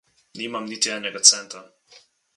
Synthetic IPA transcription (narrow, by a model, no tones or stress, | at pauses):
niːmamniːt̪iɛːnɛɡat̪sɛnt̪ɾa